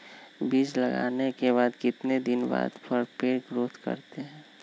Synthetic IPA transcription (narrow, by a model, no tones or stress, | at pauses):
biːd͡ʒləɡa̰ːnekeβaːd̪kɪt̪ned̪ɪnba̰ːd̪pəɾpeːɾɡɾoːt̪kə̰ɾt̪eɦɛ̃ː